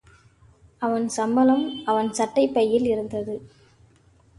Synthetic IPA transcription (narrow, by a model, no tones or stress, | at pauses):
ɐʋɐnsɐmbɐlɐmɐʋɐnsɐʈːɐɪpːɐjːɪlɪɾɯnd̪ɐðɯ